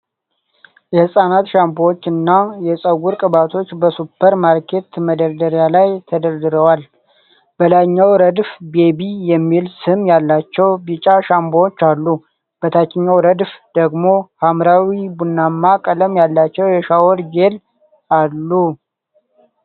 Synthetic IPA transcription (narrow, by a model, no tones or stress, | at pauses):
jɛhɨsʼanat̪ʃambowot͡ʃːɨnːajɛsʼəɡuɾkʼɨbat̪ʰo̞t͡ʃːbəsupʰːəɾmaɾkʰe̞t̪məd̪əɾd̪əɾjalajt̪ʰəd̪əɾd̪ɨɾəwal | b̥əlajɲːawɾəd̪fbe̞bijɛmːilsɨmjalːat͡ʃːɛwbit͡ʃʼaʃamboot͡ʃːalːu | b̥ət̪ʰat͡ʃːɪɲːawɾəd̪fd̪əɡmo̞hamɾawibunːamːakʼələmjalːat͡ʃːɛwjɛʃawɔɾd͡ʒel | alːu